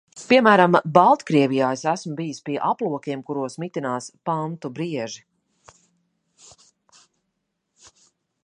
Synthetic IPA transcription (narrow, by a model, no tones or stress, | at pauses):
piɛmæːɾambalˠt̪kɾiɛvijaːjsæsmʊbijispiɛʔaplˠuɔkʲiɛmkuɾuɔsmit̪inaːspant̪ubɾiɛʒi